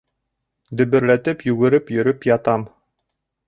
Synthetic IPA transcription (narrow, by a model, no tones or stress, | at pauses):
d̪ɵ̆βɘ̆ɾlæt̪ɘpjʉɡɘ̆ɾɘpjɵ̆ɾɵpjɑt̪ɑm